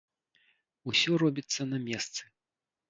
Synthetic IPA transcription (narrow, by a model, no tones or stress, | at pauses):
usʲɔɾɔbʲit̪sːɐnɐmʲɛst̪sɨ̥